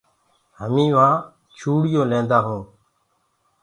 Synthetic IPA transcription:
həmĩːʋãː | t͡ʃʰuːɽɪjõːlẽːnd̪aːɦũː

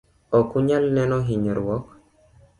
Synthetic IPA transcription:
ɔkuɲalnɛnɔɦiɲɔɾwɔk

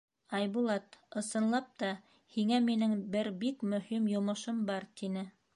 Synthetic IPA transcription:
ɑjbulˠɑt̪ɤ̆sɤ̆nlˠɑp̚t̪ɑ | hiŋæminɘŋbɘɾbikmɵ̆himjŏmɤ̆ʃɤmbɑɾt̪inɘ

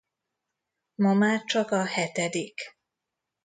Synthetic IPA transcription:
mɒmaːrt͡ʃɒkɒhɛt̪ɛd̪ik

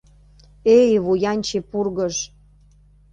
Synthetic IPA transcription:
ejβujɑnʲt͡ɕepurɣəʃ

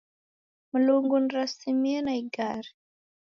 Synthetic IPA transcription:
muluŋɡuniɾasimiɛnaiɡaɾi

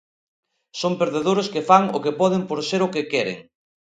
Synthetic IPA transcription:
sompeɾðeðoɾoskɪfaŋʊ̰kepɔðɪmpoɾseɾʊkɪkɛɾɪ̰ŋ

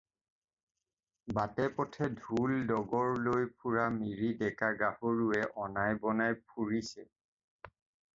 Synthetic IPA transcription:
batɛpɔtʰɛdʱuldɔɡɔɹlojpʰuɹamiɹidɛkaɡahoɹuɛʔɔnajbɔnajpʰuɹisɛ

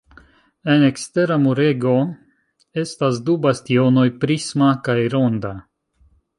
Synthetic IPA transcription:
enekst̪e̞ɾamuɾeɡo̞ | e̞stasdubast̪io̞no̞jpɾismakajɾonda

